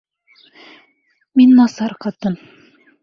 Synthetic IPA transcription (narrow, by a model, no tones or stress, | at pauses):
minːɑsɑɾqɑt̪ɤn